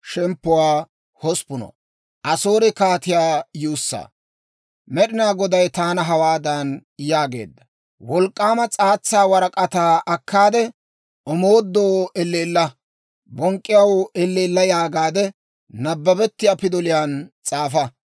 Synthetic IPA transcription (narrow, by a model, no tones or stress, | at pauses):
ʃɛmpːʊwaː | hɔspʊnɔ̰ | ʔɐso̞ːɾɪkaːt̪ɪjaːjuːsːa̰ː | mɛɗɪnaːɡɔd̪ɐjt̪aːnɐɦɐwaːd̪anjaːɡe̞̰ːd̪ːɐ | wɔlkʼːaːmɐt͡sʼaːt͡sːaːwɐɾɐkʼɐt̪aːʔɐkːaːd̪ɛ | ɔmoːd̪ːoːʔɛlːeːlːɐ | bɔŋkʼːɪjɐwɛlːeːlːɐjaːɡaːd̪ɛ | nɐbːɐbɛt̪ːɪjaːpɪd̪ɔlɪjaːnt͡sʼaːfɐ